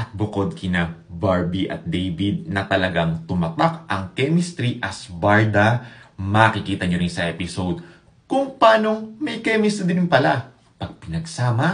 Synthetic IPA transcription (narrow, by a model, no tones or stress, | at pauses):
ʔɐt̪̚bʊko̞d̪̚kɪnabaɹbiʔɐ̰t̪̚d̪ejbid̪̚nɐt̪ɐlɐɡaŋt̪ʊmɐt̪akʔɐŋkɛmist̪ɾiʔɐsbɐɹd̪ɐmaːkɪkiːt̪ɐɲoɾɪnsɐʔɛːpɪsod̪̚ | kʊŋpaːno̞ŋmɐjkɛmist̪d̪ɾɪnpɐla | pɐɡ̚pɪnɐɡsaːmɐ